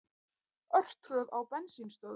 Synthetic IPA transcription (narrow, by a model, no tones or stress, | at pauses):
œr̥t̪rœðawpɛnsinst̪œː